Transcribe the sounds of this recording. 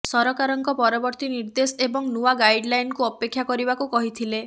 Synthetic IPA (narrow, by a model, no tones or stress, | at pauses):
sɔɾɔkaɾɔŋkɔpɔɾɔbɔɾt̪iniɾd̪esebɔŋnuwaɡajɖlajnkuɔpekʰːjakɔɾibakukɔɦit̪ʰile